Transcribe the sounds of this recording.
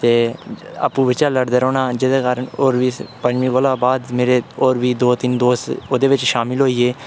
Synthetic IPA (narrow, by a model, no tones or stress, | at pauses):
t̪eːa̰ːpũːʋɪt͡ʃaːləɽd̪əɾoːnaːd͡ʒɪd̪eːkaːɾəɳoːɾʋiːpəd͡ʒmĩːʋəlãːbaːd̪meːɾeːoːɾʋiːd̪oːt̪ɪnd̪oːst̪oːd̪eːʋɪt͡ʃʃaːmɪlɦoːiːeː